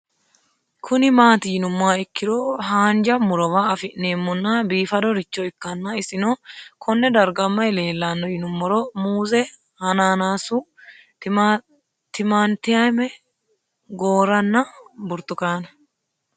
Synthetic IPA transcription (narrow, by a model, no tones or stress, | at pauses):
kʰʊnɪmaːt̪ɪjɪnʊmːaːɪkːɪd̪ɔɦaːnd͡ʒɐmʊɾɔwaɐfɪʔnːeːmːɔnːɐbiːfɐd̪ɔɾɪt͡ʃːɔɪkːɐnːɐɪsɪnɔkʰɔnːɛd̪ɐɾɡɐmːɐjle̞ːlːanːɔjɪnʊmːɔɾɔmuːzɛ | hɐnaːnaːsʊ | t̪ɪmant̪ɪjamɛ | ɡoːɾɐnːɐbʊɾt̪ːʊkaːnɐ